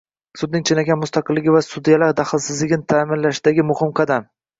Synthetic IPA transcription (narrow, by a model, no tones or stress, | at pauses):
sʊd̪nɪŋt͡ʃʰɪnaɡʲanmʊst̪ɑqɨlːɪɡʲɪvasʊd̪ijalaɾd̪aχɨlˠsɪzlɪɡʲɪnɪt̪ʰaːmɪnlaʃɪd̪aɡʲɪmʊhɪmqʰɑd̪am